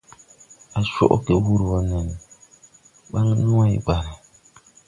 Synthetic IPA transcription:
a˨ʃo̰˦ʔke˨˦wu˦ɾwɔ˦nɛ˨n˨ | ɓa˦ŋ˦nũ˦a˦i˦ba˨ɾi˨

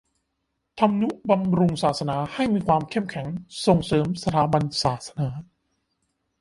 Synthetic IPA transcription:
t̪ʰa˧mnu˦˥ʔba˧mɾu˧ŋsaː˨˩t̪̚sa˧naː˩˦ha˥˩jmiː˧kʰwaː˧mkʰe˥˩mkʰɛ˩˦ŋso˨˩ŋsɤː˩˦msa˧t̪ʰaː˨˩˦ba˧nsaː˨˩t̪̚sa˧naː˩˦

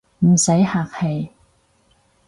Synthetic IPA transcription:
m̩˨˩sɐ˨˥jhaː˧k̚he˨˧j

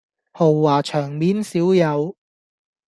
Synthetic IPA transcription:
ho˨˩wːaː˨˩t͡ʃʰœː˨˩ŋmiː˨˥nsiː˨˥wjɐ˨˧w

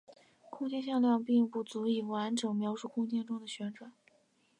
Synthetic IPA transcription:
kʰʊ˥ŋt͡ɕjɛ˥˧nɕ̬jɑ˥˧ŋljɑ˥˧ŋpi˥˧ŋpu˥˩t͡su˧˥i˨˩wa˧˥nʈ͡ʂɤ˨˩ŋmjɑ˧˥ʊʂu˥˩kʰʊ˥˧ŋt͡ɕjɛ˥˧nʈ͡ʂʊ˥ŋd̪ə˨ɕɥɛ˧˥nʈ͡ʂwa˨˩˦

